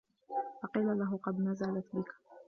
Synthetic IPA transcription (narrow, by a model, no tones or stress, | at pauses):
fɑqiːlalaɦʊqɑd̪nazalat̪bɪk